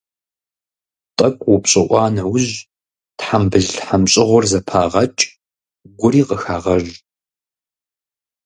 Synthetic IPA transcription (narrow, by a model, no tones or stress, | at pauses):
tʼɐkʷʼwʊpɕʼɪʔʷɑːnɐwʊʑ | tħambɨɮħamɕʼɪʁʷʊrzɐpʰaːʁɐt͡ʃʼ | ɡʷʊɾiːqəxaːʁɐʒ